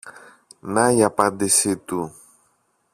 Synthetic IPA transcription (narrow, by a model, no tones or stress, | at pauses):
najapad̪esit̪u